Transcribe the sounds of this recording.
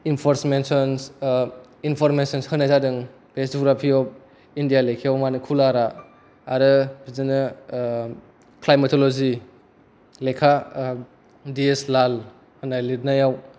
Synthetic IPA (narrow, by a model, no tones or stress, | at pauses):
inpʰɔɾsmensɔns | inpʰɔɾmensɔnshɯnazadɯŋ | b̥esuɡɾapʰiɔp̚ | indijalekʰeɔmanɯkʰulaɾa | aɾɯbizɯnɯ | klajmatʰɔlɔzi | lekʰa | dieslal | hɯnaliɾnajaw